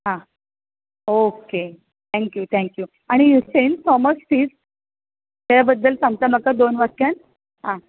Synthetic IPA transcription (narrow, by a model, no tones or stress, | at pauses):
ɦã | oke | t̪ʰɛ̃ŋkjuːt̪ʰɛ̃ŋkjuː | aɽ̃ijusensɔməsfiːs | t̪aɾabəd̪ːəlsãŋɡ̚t̪aməkad̪onʋaɾkaɳ | ɦã